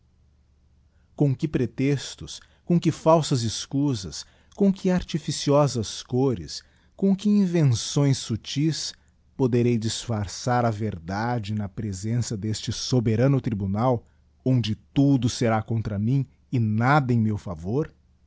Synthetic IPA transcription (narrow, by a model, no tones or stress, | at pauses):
kõkɪpɾet̪ɛst̪ʊs | kõkɪfawsɐzɪskuzɐs | kõkʰɪaɾt͡ʃifisiɔzɐskoɾɪ̰s | kõkɪĩvẽsõj̃sːut͡ʃis | pod̪eɾejd͡ʒisfaɾsaɾɐveɾd̪ad͡ʒɪnɐpɾezẽsɐd̪est͡ʃɪsobeɾɐ̃nʊt̪ɾibunaw | õnd͡ʒɪt̪ud̪ʊseɾakõnt̪ɾɐmĩ | ɪnad̪ɐẽj̃mewfavoɾ